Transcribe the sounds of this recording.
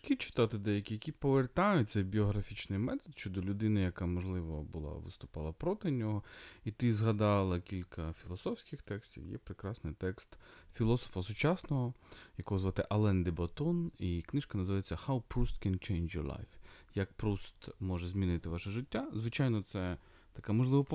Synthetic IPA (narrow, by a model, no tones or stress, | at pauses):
ʃkʲit͡ʃɪ̥t̪ɑt̪ɪd̪ɛjɐkʲijɐkʲipɔʋert̪ɑjʊt̚ʲsɐwbʲiɔɦɾɐfʲit͡ʃnɪjmɛt̪ɔd̪ʃʲt͡ʃɔd̪ɔlʲʊd̪ɪnɪjɐkamɔʒlˠɪʋɐbʊlˠɑ̰ʋɪ̰st̪ʊ̥pɑlˠɐpɾɔt̪ɪnʲɔɦɔit̪ɪzɦɐd̪ɑlˠɐkʲilʲkʰɐfʲilˠɔsɔfsʲkɪxt̪ɛksʲtʲḭwjɛ̰pɾɪkɾɑsnɪjt̪ɛkst̪fʲilˠɔsɔ̥fɐsʊt͡ʃɑsnɔɦɔjɐkɔɦɔzʋɑt̪ɪʔɐlˠɛnd̪ɪbɐt̪ɔniknɪʃkɐnɐzɨʋajet͡sʲːɐhawpɾust̪kɛnt͡ʃejnd͡ʒjɔ̰ɾlˠa̰jfjɐk̚pɾust̪mɔʒɛzʲmʲinɪt̪ɪʋaʃɛʒɪtʲːazʋɪt͡ʃajnɔt̪sɛ | t̪ɐkamɔʒlˠɪʋɔp